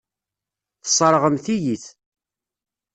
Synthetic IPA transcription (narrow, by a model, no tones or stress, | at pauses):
θəsˤəɾˤʁəmθijiθ